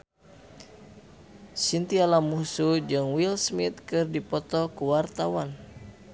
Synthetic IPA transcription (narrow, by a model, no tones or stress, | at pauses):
sint̪ialamusud͡ʒɨŋwilsmit̪̚kɨrdipɔt̪ɔkuwart̪awan